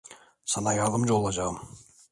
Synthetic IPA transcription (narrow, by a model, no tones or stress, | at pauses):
sɑnɑjɑðˠəmd͡ʒolˠɑd͡ʒɑʁm